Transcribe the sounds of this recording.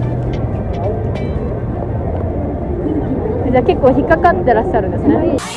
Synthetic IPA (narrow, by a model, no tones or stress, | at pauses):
d͡ʑake̞kːoːçikːakat̪ːeɾaɕaɾɯ̟nd̪esɨne